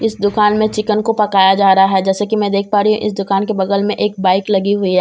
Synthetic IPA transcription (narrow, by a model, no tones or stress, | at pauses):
ɪsd̪ʊkaːnmẽt͡ʃɪkənkopɐkaːjad͡ʒaːɾɐɦaɦɛd͡ʒɛːsekimɛ̃ːd̪eːk̚ʰpaːɾiɦṵ̃ʔɪ̰s̬d̪ʊkaːnkebɐɡəlmẽʔeːk̚baːɪklɐɡiɦʊiɦɛː